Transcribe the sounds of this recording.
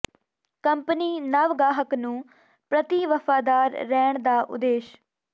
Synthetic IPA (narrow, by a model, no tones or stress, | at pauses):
kəmpniːnəʋɡaːɦəknũː | pɾət̪iːʋəfaːd̪aːɾːɛːɳd̪aːʔʊ̰d̪eːʃ